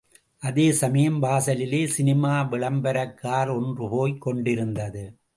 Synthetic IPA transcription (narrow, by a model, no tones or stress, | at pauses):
ʔɐðeːsɐmɐjɐmbaːsɐlɪleːsɪnɪmaːʋɪɭɐmbɐɾɐkːaːɾɔndrɯpoːjkːɔɳɖɪɾɯnd̪ɐðɯ